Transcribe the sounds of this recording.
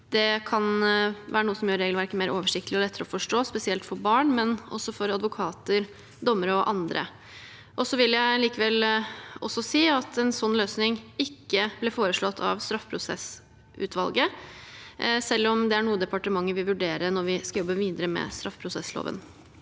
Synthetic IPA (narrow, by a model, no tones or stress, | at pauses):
d̪ɛkʰɑnʋæ̰ːɾənuːəsɔmjøːɾeːɡlʋæɾkəmeːɾʔoːʋəʂɪkt̪əlɪɔlɛt̪ːəɾəɔfɔʂʈoːspɛsɪɛlt̪fɔɾbɑːɳmɛnɔ̰sːɔfɔɾɑd̪ʋʊkʰɑːt̪əɾ | d̪ɔmːəɾɔʔɑnd̪ɾʔə̰ | ʔɔsɔʋɪlːjæɪliːkəʋɛlɔsːɔsiːɑt̪ʰɛnsɔnːløːsnɪŋɪkːəb̥lɛːfoːɾəʂɭɔt̪ʰːɑ̰ʋst̪ɾɑfpʰɾʊsɛ̰s | ʉ̰ːt̪ʰʋɑ̰lɡə | sɛlːɔmd̪ɛæɾɳuːəd̪ɛpɑʈəmɑŋːəɾʋɪʋʉɖeːɾənɔɾʋɪskɑjɔbːəʋiːd̪əɾəmɛ̰st̪ɾʔɑfpʰɾʊsɛslo̰ːʋə̰n